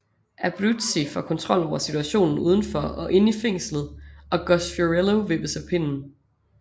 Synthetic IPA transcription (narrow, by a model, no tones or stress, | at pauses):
ʔæb̥ʁud̥sifɒkʰɒ̽nt͡sʰʁɒ̽l̰ɒʊ̰ɐsit͡sʰuæɕo̝̰ːnn̩uːð̞ˠn̩fɒ̽ɒ̽ʔe̝nifeŋ̰slð̩ˠɒ̽ɡ̥ɒsfoʁeloʋe̝b̥əsɑpʰe̝nn̩